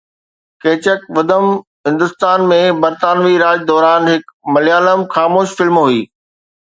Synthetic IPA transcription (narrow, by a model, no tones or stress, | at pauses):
keːt͡ɕəkʋɐd̪əm | ɦɪ̃nd̪ʊst̪aːnmẽbɐɾt̪aːnʋiɾaːd͡ʑd̪ɔːɾaːnɦɪkmɐlijaːləmxaːmoːʃfɪlmɦuiː